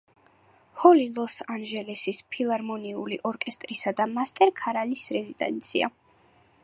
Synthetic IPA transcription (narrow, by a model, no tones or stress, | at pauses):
hɔlilˠɔsanʒɛlɛsispʰilˠaɾmɔniuliʔɔɾkʼɛst̪ʼɾisad̪amast̪ʼɛɾkʰaɾalisɾɛzid̪ʼɛ̰nt̪sʰḭa̰